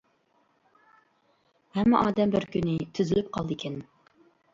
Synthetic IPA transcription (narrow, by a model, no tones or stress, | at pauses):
hɛmːɛʔɑːd̪ɛmbɪɾkʲynɪt̪ʰyzɪlyp̚qʰɑlˠd̪ɨkʲʰɛn